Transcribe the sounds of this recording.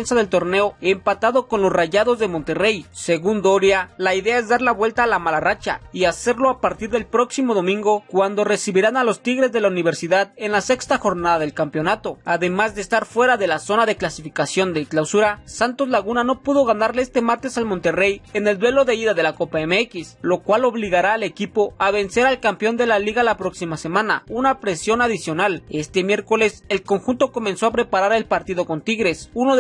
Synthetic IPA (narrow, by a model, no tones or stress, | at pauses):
ensaðe̞lt̪o̞ɾne̞oempat̪aðo̞ko̞nlo̞sraʝaðo̞zðe̞mõ̞nt̪e̞re̞jse̞ɣund̪oɾjalaiðe̞ae̞zðaɾlaβwe̞lt̪aːlamalarat͡ʃa̰iase̞ɾlo̞apaɾt̪iɾðe̞lpɾo̞ksimo̞ð̞o̞mĩŋɡo̞kwand̪o̞re̞siβiɾanalo̞st̪iɣɾe̞zðe̞launiβ̞e̞ɾsiðaðe̞nlase̞kst̪axo̞ɾnaðaðe̞lkampjo̞nat̪o̞aðe̞mazðe̞ːst̪aɾfwe̞ɾaðe̞laso̞naðe̞klasifikasjo̞nd̪e̞klawsuɾasant̪o̞zlaɣunano̞puðo̞ɣanaɾleest̪e̞maɾt̪e̞salmo̞nt̪e̞re̞je̞ne̞ld̪we̞lo̞ðe̞iðaðe̞lako̞pae̞meekislo̞kwalo̞βliɣaɾaːle̞kipo̞aβe̞nse̞ɾalkampjo̞nd̪e̞laliɣalapɾo̞ksimase̞mãna̰unapɾe̞sjo̞naðisjo̞nale̞st̪e̞mje̞ɾko̞le̞se̞lko̞ŋxunt̪o̞ko̞me̞nso̞apɾe̞paɾaɾe̞lpaɾt̪iðo̞ko̞nt̪iɣɾe̞suno